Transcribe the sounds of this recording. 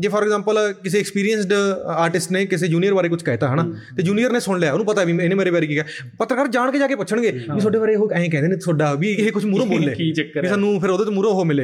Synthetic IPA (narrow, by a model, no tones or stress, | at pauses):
d͡ʒeːpʰɔːɾɛɡzãːmpəlkɪs̬eːɛkspiːɾijənsɖaːɾʈɪsʈneːkɪs̬eːd͡ʒuːnijəɾʋaːɾeːkʊt͡ʃʰkɛːt̪aːɦɛnaːt̪eːd͡ʒuːnijəɾneːsʊɳ̃ljaːnũːpət̪aɛːʋiːɪnẽːmeːɾeːpɛːɾiːkiːkɛː | pət̪ːɾəkaːɾd͡ʒaːɳ̃keːd͡ʒaːkeːpʊʃʰəɳɡeːʋiːsoːɖeːbaːɾeɦoːɛ̃ẽːkɛ̃ːnd̪eːnẽːsoːɖaːʋiːɦeːkʊt͡ʃʰmuːɾõːbːlːeːit͡ʃəkʋiːsaːnũːpʰɪɾoːd̪eːt̪ːmuːɾõːɦoːmɪleː